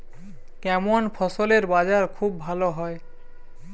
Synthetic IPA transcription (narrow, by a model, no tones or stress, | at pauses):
kɛmonpʰɔsoleɾbad͡ʑaɾkʰubːʱaloɦɔe